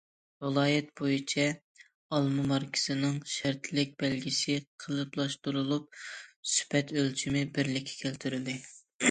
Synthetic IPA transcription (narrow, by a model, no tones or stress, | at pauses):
vɨlˠɑːjɛt̪̚bojit͡ʃʰɛ | ɑlˠmɨmɑɾkʲʰɪ̥z̥ɨnɨŋʃæɾt̪ʰlɪk̚ʲb̥ɛlɡʲisɪqʰəlˠɨplˠɑʃt̪uɾulˠup̚sy̥pɛt̪ølt͡ʃʰymɪbɪɾlɪkʲʰːɛ̥kʲʰælt̪ʰyɾɪld̪ɪ